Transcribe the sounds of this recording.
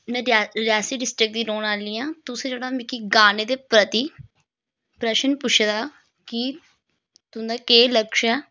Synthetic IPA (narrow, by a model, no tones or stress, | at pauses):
mɛ̃ːɾɾjaːsiːɖɪsʈɾɪk̚d̪iːɾoːnaːliːjãːt̪ʊsẽːd͡ʒeːɽaːmɪkiːɡaːneːd̪eːpɾət̪iː | pɾɛːʃənpʊʃʰed̪aː | kɪ | t̪ʊnd̪aːkeːləkʃɛː